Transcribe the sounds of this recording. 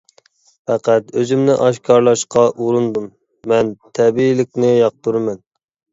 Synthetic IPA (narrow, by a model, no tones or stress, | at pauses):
fæqæt̪øzymnɪʔɑʃkʰɑɾlˠɑʃqʰɑʔuɾˠɨnd̪umː | ɛnt̪ʰɛbiilɪk̚ʲnɪjɑq̚t̪uɾɨmɛn